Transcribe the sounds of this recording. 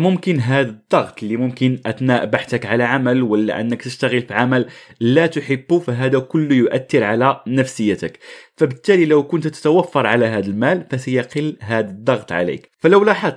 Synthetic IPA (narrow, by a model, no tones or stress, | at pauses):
mʊmkənɦæd̪əd̪ˤːɑɣt̪ˤlimʊmkənʔæt̪næʔbaħt̪əkʕalæʕamælwəlːæ̰ʔənːəkt̪əʃt̪aɣəlfiʕamælːæt̪ʊħəbːufæɦæd̪ækʊlːjʊʔæt̪ːəɾʕalænəfsəjːæt̪əkfæbət̪ːælilæwkʊnt̪t̪ːə̥t̪æwæfːɑɾˤʕalæɦæd̪əlmælfæsajæqəlːɦæd̪əd̪ˤːɑɣt̪ˤʕa̰lḭkfæləwlɑħɑd̪